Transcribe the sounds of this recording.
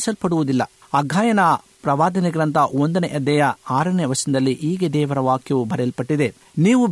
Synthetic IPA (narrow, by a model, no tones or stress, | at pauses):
sɐlpɐɽuʋud̪ilːɐ | ɐɡʱaːjɐnɐpɾɐʋaːd̪ɐniɡɾɐnt̪ʰɐond̪ɐneʔɐd̪ːɐjɐaːɾɐneʋɐʂɐnd̪ɐlːiʔiːɡed̪ɛːʋɐɾɐʋaːkjɐʋubʱɐɾɐlpɐʈːid̪e | niːʋu